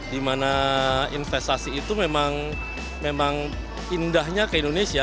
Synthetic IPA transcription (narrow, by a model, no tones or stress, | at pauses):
dimanainfɛst̪asiːt̪umemaŋ | memaŋ | indahɲakəindonesia